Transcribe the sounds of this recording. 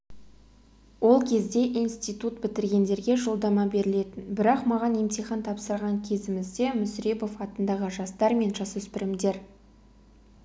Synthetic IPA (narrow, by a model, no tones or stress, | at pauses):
wo̞lˠkʲʰe̞zd̪e̞ʔijnst̪ijt̪ut̪bɪt̪ɪɾɡʲe̞nd̪e̞ɾɡʲe̞ʒo̞lˠd̪ɑmɑbe̞ɾɪle̞t̪ɪnbɪɾɑqmɑʁɑnemt̪iχɑnt̪ʰɑpsəɾʁɑŋkʲʰe̞zɪmɪzd̪e̞mʏsɾe̞po̞fɑt̪ənd̪ɑʁəʒɑst̪ɑɾme̞nʒɑsɵspɪɾɪmd̪e̞ɾ